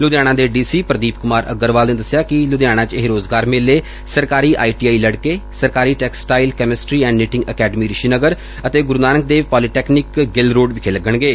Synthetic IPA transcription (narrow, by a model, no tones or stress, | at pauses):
lʊd̪jaːɽ̃ãːd̪eːɖiːsiːpɾəd̪iːp̚kʊmaːɾʔə̰ɡəɾʋaːlnẽːd̪əsjaːkɪlʊd̪jaːɽ̃ãːt͡ʃeɦɾoːzɡaːɾmɪlːeː | səɾkaːɾiːʔa̰ːiʈiːaːiːləɽkeːsəɾkaːɾiːʈɛːksʈaːilkɛːmɪsʈɾiːɛ̃ːɳɖniʈɪ̃ŋɡəkɛːɖəmiːɾɪʃiːnəɡəɾ | ət̪eːɡʊɾunaːnək̚d̪eːʋpaːliʈɛːknɪkɡɪlɾoːɖʋɪkʰeːləɡəɳɡeː